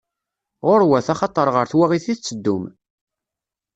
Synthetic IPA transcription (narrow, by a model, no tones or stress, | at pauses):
ʁʊɾwæθɑχɑt̪ˤːəɾˤʁəɾθwaʁiθiθt͡sːəd̪ːʊm